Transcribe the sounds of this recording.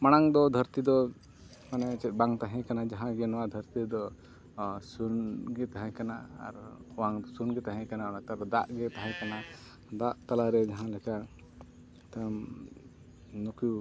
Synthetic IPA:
maɽ̃aŋd̪ɔd̪ʱəɾt̪id̪ɔ | manɛt͡ʃɛt̪̚ˀbaŋt̪aɦɛ̃kanad͡ʒaɦãɡɛnɔwad̪ʱəɾt̪id̪ɔ | sunɡɛt̪aɦɛ̃kana̰ːɾɔwaŋd̪ɔsunɡɛt̪aɦɛ̃kanaɾat̪aɔd̪aʔɡɛt̪aɦɛ̃kana | d̪aʔt̪alaɾɛd͡ʒaɦãlɛka | t̪am | nuku

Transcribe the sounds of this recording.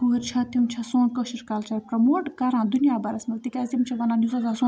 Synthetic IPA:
uɾt͡ʃʰɐt̪ʰimt͡ʃʰɐsoːnkəʃɐɾkalt͡ʃɐɾpɾɐmoːʈkɐɾãːd̪unijaːbaɾɐsmɐlt̪ikʲazimt͡ʃʰɐʋɐnanuzɐzaːso

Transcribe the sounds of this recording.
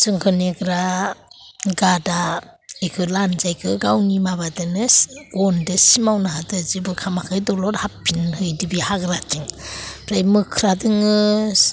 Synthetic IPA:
zɯŋkʰɯneɡɾa | ɡada | ejkʰɯlanzajkʰɯɡawnimabadɯnɯɡɔndɯsimawnaɦatɯzibɯkʰamakʰɯjdɔlɔɾhapʰːinhɯjdɯbihaɡɾatʰiŋpʰɾajmɯkʰɾadɯŋɯs

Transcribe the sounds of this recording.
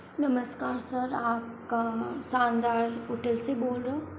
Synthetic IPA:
nɐməskaːɾsɐɾaːp̚ | kasaːnd̪aːɾoʈəlseboːlɾɐɦo

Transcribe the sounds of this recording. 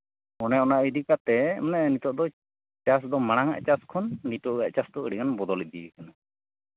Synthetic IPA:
ɔnɛɔnaʔid̪ikat̪ɛmɔnɛnit̪ɔʔd̪ɔ | t͡ʃas̬d̪ɔmaɽ̃aŋa̰ʔt͡ʃaskʰɔnːit̪ɔʔa̰ʔt͡ʃast̪ɔʔəɽikanbɔd̪ɔlɛd̪ijɛkana

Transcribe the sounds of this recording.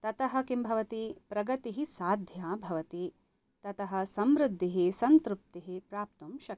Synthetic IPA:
t̪ɐt̪ɐɦɐkimbʱɐʋɐt̪ipɾɐɡɐt̪iɦisaːd̪ʱjaːbʱɐʋɐt̪i | t̪ɐt̪ɐɦɐ̆sɐmɾɪd̪ʱːiɦisɐnt̪ɾup̚t̪iɦipɾaːp̚t̪umʃɐk

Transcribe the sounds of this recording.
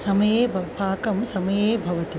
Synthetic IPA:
sɐmɐjeːbʱɐpʰaːkɐmsɐmɐjeːbʱɐʋɐt̪i

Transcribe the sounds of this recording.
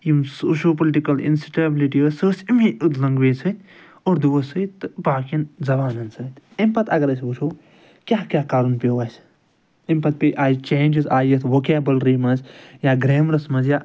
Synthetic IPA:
jimsoːʃoːpliʈikɐlḭnsi̥ʈebliʈiəsəːsimiut̪lɐŋɡʋeːsʰət̪ | oːɾd̪uʋɐsət̪ːɨbaːkinzɐbaːnɐnsɐːt̪impɐt̪ʰɐ̰ɡɐɾɐsut͡ʃʰoː | kʲaːkʲaːkaːɾunpʲeːʋaːs | impɐt̪̚pʲeʔaːjt͡ʃeːnd͡ʒizaːjɐt̪ʰʋoːkeːbɐlɾiːmɐnzjaːɡɾeːmɾɐsmɐzjaː

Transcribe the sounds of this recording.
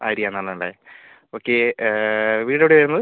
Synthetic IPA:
a̰ːɾijaːnɐlːɐɳɖa̰ | oːkːe | ʋiːɽɐʋɽeʋɐɾunːɐðɨ

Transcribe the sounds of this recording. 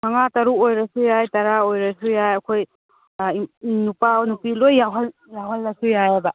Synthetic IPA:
maŋataɾuojɾasujajtaɾaojɾasujajɐkʰoj | inupawnupilojːaɦal | jaɦalːasujajaba

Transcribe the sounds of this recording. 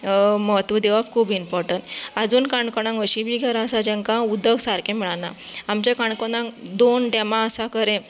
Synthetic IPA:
məɦət̪ʋəd̪eʋabkʰuːbimpɔɾʈəɳʈad͡zuːnkaɳkɔɽ̃ãŋʋəɕĩbʱiɡʱɛɾaəsad͡ʑə̃ŋkãud̪əɡsaɾkẽmiɭanaamt͡ɕakaɳkɔɽãŋd̪onɖɛmãəsakəɾẽ

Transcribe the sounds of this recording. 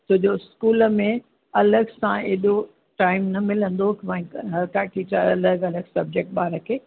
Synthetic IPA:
t̪ʊd͡ʑoskuːlə̆mẽ | ɐləɡsãeːɗo | ʈaːɪmnɐmɪlə̃nd̪okʋãɦɐɾkaːʈiaɐləɡɐləɡsɐb̚d͡ʑek̚ʈ̚ɓaːɾəkʰeː

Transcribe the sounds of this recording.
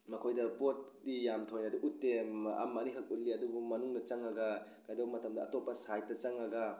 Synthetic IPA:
mɐkʰojdɐpot̚dijamtʰojnaduʔutːema̰mːanikʰɐk̚ut̚liɐdubumɐnuŋnɐt͡ʃɐŋɐɡɐ | kajdowmɐtɐmdɐːtopːɐsajt̚ːɐt͡ʃaŋɐɡɐ

